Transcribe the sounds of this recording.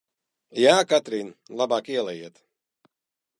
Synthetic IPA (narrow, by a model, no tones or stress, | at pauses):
jaːkat̪ɾiːnlˠabaːkiɛlˠɛjiɛt̪